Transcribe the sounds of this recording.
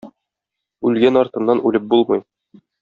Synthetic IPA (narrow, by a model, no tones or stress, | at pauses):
ʉlɡænɒɾt̪ɤ̆nːɑnʉlɘp̚bulˠmɤ̆j